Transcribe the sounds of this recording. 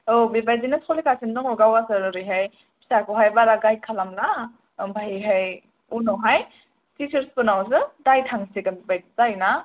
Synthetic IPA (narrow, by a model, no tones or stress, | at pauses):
obibajdinɯsʰɔlikasindɔŋɔɡawasɯɾɯɾɯjɦaj | pʰi̥sakɔɦajbaɾaɡajkʰalamla | bʱaɦiɦaj | unɔɦaj | tit͡ʃɯɾspɯnaws̬ɯdajtʰaŋsiɡanbibajdizajna